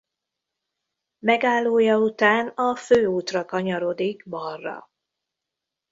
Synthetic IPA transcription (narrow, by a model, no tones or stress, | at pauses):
mɛɡaːlːoːjɒut̪aːnɒføːuːt̪rɒkɒɲɒɾo̞d̪iɡbɒrːɒ̰